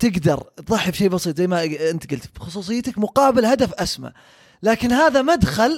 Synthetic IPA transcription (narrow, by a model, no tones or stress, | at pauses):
t̪ɪɡd̪ɑɾˤt̪ðˤɑħːbʃeːbɑsˤiːt̪ˤzajːmaɪnt̪ɡʊlt̪bxʊsˤuːs̬ˤɨjːt̪akmʊqɑːbɪlhad̪afʔasma̰ | laːkɪnhaːðamad̪xal